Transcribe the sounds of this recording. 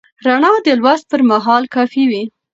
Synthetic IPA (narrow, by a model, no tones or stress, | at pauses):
ɾaɳɑd̪əlwas̚pəɾmaɦɑlkɑfiwi